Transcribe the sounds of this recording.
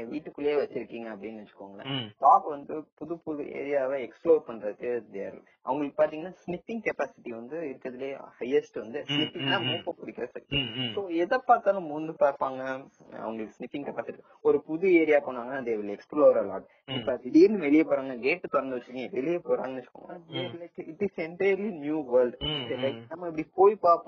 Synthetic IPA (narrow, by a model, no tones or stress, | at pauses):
ʋiːʈːɯkːɯleːʋɐt͡ʃːɪɾɯkːiːŋɡɐːpːɐɽɪnːɐʋɐt͡ʃːɯ̥kːʋaːŋɡɐlɐ̰taːpʋɐnd̪ɯpʊðɯpʊðuḛːɾɪjaːʋeɛksploːɾpɐɳrɐðɯkːɯd̪ḛːɾɪ̰l | ʔɐ̰ʋɐŋɡɐɭɯkːɯ̥paːɾt̪iːŋɡɐnːaːsnɪfːɪŋɡkɛpaːsɪʈːiʋɐnd̪ɯɪɾɯkːɐðɪleːhɐjːɐsʈɯʋɐnd̪ɯsnɪpːɪŋɡlãːmuːpːɐ̃kʊɽɪkːɪɾɐsɐkʈ̪ːisoːɛðɐpːaːɾt̪aːlɐ̃mʊnd̪ɯpaːɾpaːŋɡɐ | ɐ̰ʋɐŋɡɐɭɯkːɯsnɪfːɪ̃ŋɡkɛpaːsɪʈi | ɔɾɯpʊðueːɾɪjaːpoːɳʋaːŋɡɐnad̪eːʋɪlɛksploɾɐlɔ̰ːʈ | ɪpːɐɪðeːɾɯnd̪ɯʋɛɭɪjɐpoːɾaːŋɡɐɡeːʈːɯt̪ɔɾɐnd̪ɯʋɐt͡ʃːɯɾkːŋɡɐʋɛɭɪjepoːɾa̰ːŋɡɐnt͡ʃːɯkːo̰ːŋɡɐnad̪eːlɐɪkɪʈɪsɛɳʈɐjɐɾlinjuːʋɐɾlɖɛlɐɪknːaːmaːɛp̬ːɐɽipoːjpaːpː